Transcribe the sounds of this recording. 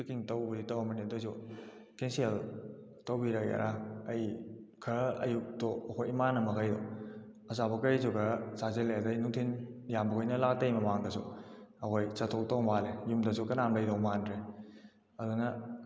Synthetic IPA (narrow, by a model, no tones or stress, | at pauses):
fikiŋtɐwbuditɐwɐmɐnedojsu | kensel | tɐwbiɾɐkja̰ɾʔaɐjkʰɐɐ̰juk̚toɐkʰojimanɐmɐkʰajdo | ɐsabɐkɐjzuɡɐsazeledajnuŋtʰinjambɐkʰojnɐlak̚tɐjmɐmaŋdɐsṵɐkʰojsɐtʰok̚tɐwmalejumdɐs̬ukɐnamlɐjdɐwmandɾe | ɐdunɐ